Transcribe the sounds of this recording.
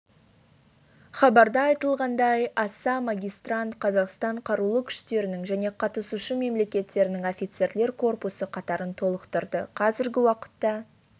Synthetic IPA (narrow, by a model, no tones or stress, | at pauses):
χɑbɑɾd̪ɑɑjt̪əlˠʁɑnd̪ɑjɑsɑmaɡʲijst̪rant̪qʰɑzɑqst̪ɑɴqʰɑɾulˠəkʲʰʏ̥ʃt̪e̞ɾɪnɪŋʒæne̞qʰɑt̪əsuʃəme̞mle̞kʲe̞t̪ːe̞ɾɪnɪŋofʲijt̪se̞ɾle̞ɾkʰo̞rpusəqʰɑt̪ɑɾənt̪ʰo̞lˠəqt̪əɾd̪əqʰɑzɪɾɡʲɪwɑqə̥t̪ːɑ